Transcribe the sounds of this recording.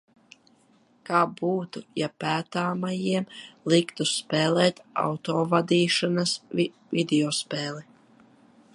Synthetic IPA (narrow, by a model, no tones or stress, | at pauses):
kaːbuːt̪ujapæːt̪aːmajiɛmlˠikt̪uspɛːlˠɛːt̪a̰wt̪ɔːvad̪iːʃanas | vʲid̪eɔspɛːlˠi